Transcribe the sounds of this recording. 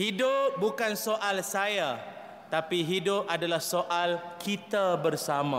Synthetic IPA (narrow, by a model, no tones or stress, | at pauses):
hidʊp̚bukansoʔalsaja | t̪apiɦidʊp̚adalahsoʔalkʰit̪abərsamã̰